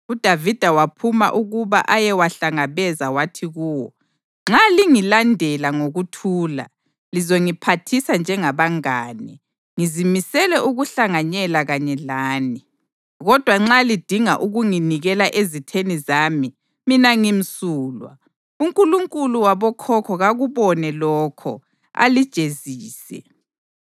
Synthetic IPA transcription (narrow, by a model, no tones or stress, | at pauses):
ud̥ʱavid̥ʱawapʰuma̰ʔuɣuβa̰ʔajɛwaɬaŋaβɛzawatʰiɣuːwɔ | ŋ͡ǁaliŋilandʱɛlaŋoɣutʰuːla̰ | lizoŋipʰatʰisand͡ʒʱɛŋaβaŋaːnɛ | ŋizimisɛlɛʔuɣuɬaŋaɲɛlaɣaɲɛlaːni | ɣɔd̥ʱwaŋ͡ǁalid̥ʱiŋaʔuɣuŋiniɣɛlaʔezitʰenizaːmi | minaŋim̩suːlwa̰ | uŋkʼuluŋkʼuluwaβɔkʰɔkʰɔɣaɣuβɔnɛlɔːkʰɔ̰ | a̰lid̥ʒ̥ʱeziːsɛ̰